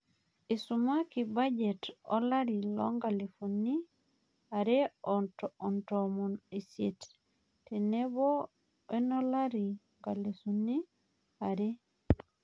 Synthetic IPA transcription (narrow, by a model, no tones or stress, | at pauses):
isumakibad͡ʒetɔ̰laɾilɔ̰ŋɡalefunːi | aɾeɔtɔntomuniset | tenebo | enolaɾiŋɡalesuni | aɾe